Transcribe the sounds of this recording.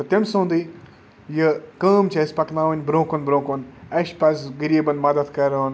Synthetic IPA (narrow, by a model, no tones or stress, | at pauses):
t̪ɐt̪emsõːnd̪i | jəkɐːmt͡ʃɐsʲpɐknaːʋɐnʲbɾõːkonbɾõːkonɐʃpɐsʲɡɐɾiːbɐnmɐd̪ɐd̪kɐɾɐn